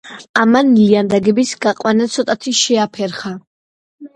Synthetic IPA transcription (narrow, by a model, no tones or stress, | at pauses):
amanliand̪aɡɛbisɡaqʼwanat̪sʰɔt̪ʼat̪ʰiʃɛapʰɛɾχa